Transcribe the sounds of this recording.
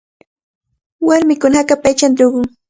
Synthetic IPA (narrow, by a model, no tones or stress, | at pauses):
waɾmɪkʊnaakapajt͡ʃand̪ʊɡʊŋ